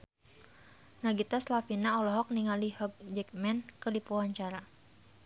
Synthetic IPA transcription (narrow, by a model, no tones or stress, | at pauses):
naɡit̪aslafinaɔlɔɦɔk̚niŋalihɔɡ̚d͡ʒɛk̚mɛnkədipɔɦɔɲt͡ʃaɾa